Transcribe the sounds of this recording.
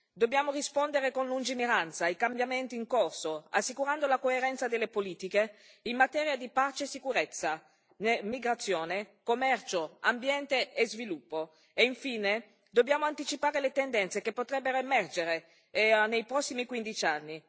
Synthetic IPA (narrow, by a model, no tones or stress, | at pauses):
d̪obːjaːmorispond̪eɾekonlund͡ʒineɾant̪saikambjament̪iːŋkorsoa̰sːikuɾand̪olakoeɾɛnt̪sad̪elːepoliːt̪ike | imːat̪ɛːɾjad̪ipat͡ʃeːsːikuɾet̪sːa | nemiɡɾat̪sːjoːnekomːɛrt͡ʃoambjɛnt̪eezvilupːo | eiɱfiːne | d̪obːjaːmoant̪it͡ʃipaːɾelet̪end̪ɛnt̪sekepːot̪ɾɛbːeɾoemɛrd͡ʒeɾe | nejpɾɔsːimikwind̪it͡ʃianːi